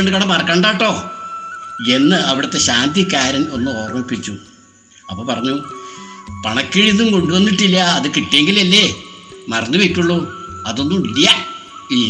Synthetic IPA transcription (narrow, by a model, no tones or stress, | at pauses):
eɳɖɨkɐɳɐmpɐrɐkːaːɳɖaːʈːo̞ː | e̞nːɨɐʋiɽɐt̪ːe̞ɕaːnd̪ikːaːɾɐmo̞nːɨo̞ːrmɐpːit͡ɕːu | ɐpːoːpɐrɐɲːu | pɐɳɐkːiɻiðumko̞ɳɖuʋɐnːiʈːilːɐːðɨkiʈːijeŋɡilelːemɐrɐnːuʋikʲːuɭːuɐðo̞nːumilijɐ | iː